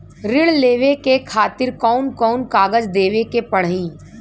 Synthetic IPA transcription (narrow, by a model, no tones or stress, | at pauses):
ɾɪɭleːʋekekʰaːt̪ɪɾkɔːnkɔːnkaːɡəd͡ʒd̪eːʋekepɐɽ̤ĩː